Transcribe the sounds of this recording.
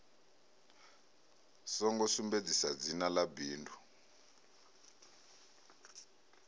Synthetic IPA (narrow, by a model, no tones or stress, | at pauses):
sɔŋɡɔsumbed͡zisad͡zinalabiːndʰʱu